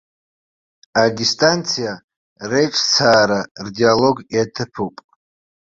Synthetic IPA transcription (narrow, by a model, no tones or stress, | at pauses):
adistʼant͡sʰija | re̞jʈ͡ʂʼt͡sʰaːɾardialo̞ɡjatʰɨpʰupʼ